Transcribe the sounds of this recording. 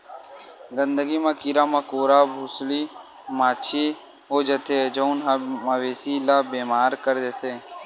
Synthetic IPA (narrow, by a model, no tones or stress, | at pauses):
ɡənd̪əɡiːmãːkiːɾãːmakoːɾaːbʱʊsliː | maːt͡ʃʰiː | ɦoːd͡ʒət̪eːd͡ʒəʊnɦaməʋeːsiːlaːbeːmaːɾkəɾd̪et̪ʰeː